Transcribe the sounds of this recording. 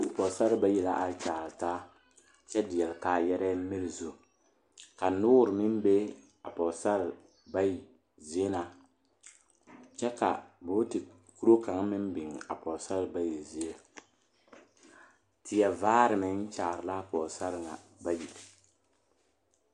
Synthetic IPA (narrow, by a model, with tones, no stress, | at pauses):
pɔ˨sa˦ɾɨ˨˦ba˦ji˨la˦ʔa˦t͡ʃaː˨ɾɨ˨taː˦ | t͡ʃɛ˦dɪ˨jɛ˨lkaː˨jɛ˦ɾɛ˦mɪ˦lɨ˨zu˦ | ka˨nʊː˦˨ɾɨ˨mɪ˦mbe˦ | a̰˨pɔ˨sa˦l | ba˦ji˨ | zi˦e˦na˨ | t͡ʃɛ˦ka̰˨bʊ˦tɨ˨ | ku˦ɾo˦ka˨ŋmɪ˦mbɪ˨ŋa̰˨pɔ˨sa˦ɾɨ˨ba˦ji˨zi˨e˦ | tɪ˨jɛ˨vaː˦ɾɨ˨mɪ˨ŋt͡ʃaː˨ɾɨ˨la˦˨pɔ˨sa˦ɾŋa˨ba˦ji˨l